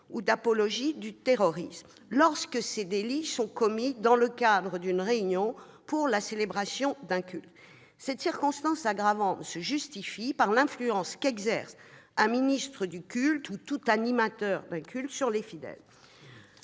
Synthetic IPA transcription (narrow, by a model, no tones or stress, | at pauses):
ud̪apɔlɔʒid̪yt̪eʁɔʁism | lɔʁskəsed̪elisɔ̃kɔmid̪ɑ̃ləkad̪ʁəd̪ynʁeynjɔ̃ | puʁlaselebʁasjɔ̃d̪ɛ̃kʲylt̪ | sɛt̪siʁkɔ̃st̪ɑ̃saɡʁavɑ̃t̪səʒyst̪ifipaʁlɛ̃flyɑ̃skɛɡzɛʁsãminist̪χəd̪ykʲylt̪ʰut̪ut̪animat̪œʁd̪ɛ̃kʲylt̪syʁlefid̪ɛ̰l